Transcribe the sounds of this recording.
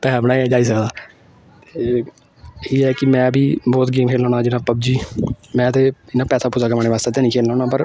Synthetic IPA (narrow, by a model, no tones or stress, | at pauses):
pɛːbənaːiɛd͡ʒaːiːs̬əkd̪aː | t̪eeː | iːɛːkɪmɛ̃ːbʱiːbɔːt̪ɡɪŋkʰeːlɔːnaːd͡ʒɪnaːpəb̚d͡ʒiːmɛ̃ːət̪eːɪnãːpɛːsaːpuːzaːkmaːneːʋaːst̪eːt̪eːnĩːkʰeːlãːnaːpəɾ